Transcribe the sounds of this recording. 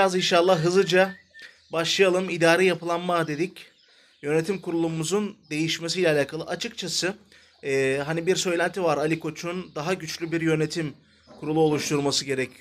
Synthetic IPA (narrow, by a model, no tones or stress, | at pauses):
biɾazinʃalˠːahɦɯzɯd͡ʒa | baʃlˠɯjalˠɯmid̪aːɾɛjapʰɯlˠanmad̪e̞d̪ic | jø̞ne̞t̪ʰimkʰuɾulˠumuzund̪e̞jiʃme̞sijlʲɛaːlʲaːkʰalˠɯ̰ʔat͡ʃʰɯkt͡ʃʰasɯː | ɦanibiɾsø̞jlʲænt̪ʰivaɾalʲikʰo̞t͡ʃʰund̪aɦaɟyt͡ʃlʲybiɾjø̞ne̞t̪ʰim | kʰuɾulˠuo̞lˠuʃt̪ʰuɾmasɯɟe̞ɾɛcʰy